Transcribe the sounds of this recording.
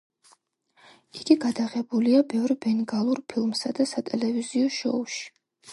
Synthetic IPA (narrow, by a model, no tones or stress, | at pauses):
iɡ̥iɡad̪aʁɛbuliabɛvɾbɛnɡalˠuɾpʰilˠmsad̪asat̪ʼɛlɛviziɔʃɔ̰uʃi̥